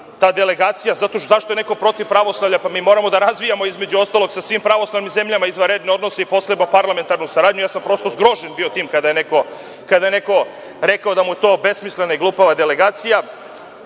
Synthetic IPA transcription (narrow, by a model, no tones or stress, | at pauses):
t̪aːd̪e̞le̞ɡaːt̪sijazat̪o̞zaʃt̪oene̞kopɾo̞t̪ivpɾaʋo̞slˠaʋvʎapamiːmo̞ːɾamo̞d̪aɾazʋijamo̞izme̞d͡ʑuo̞st̪alˠo̞ɡsasʋiːmpɾaʋo̞slˠaʋnimzemʎamaizʋaɾed̪neo̞d̪noseipo̞sɾebnopaɾlˠame̞nt̪aɾnusaɾaːd̪ɲujaːsampɾo̞st̪o̞zɡɾo̞ʒenbiot̪iːmkad̪aje̞neko̞ | kad̪ajene̞ko̞ | ɾekao̞d̪amuje̞t̪o̞ːbe̞smislenaiɡlˠuːpaʋad̪ele̞ɡaːt̪sija